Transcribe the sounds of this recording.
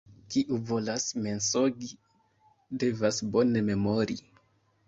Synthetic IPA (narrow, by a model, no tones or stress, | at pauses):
kiʔuvo̞lasme̞nsoɡi | de̞vasbo̞ne̞me̞mo̞ɾi